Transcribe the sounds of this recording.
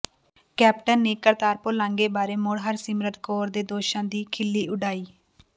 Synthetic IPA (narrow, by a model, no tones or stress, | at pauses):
kɛːp̚ʈənːeːkəɾt̪aːɾpolãːŋɡeːbaːɾeːmʊɽɦəɾsɪmɾət̪koːɾd̪eːd̪oːʃãːd̪iːkʰɪlːiːʔʊɖaːiː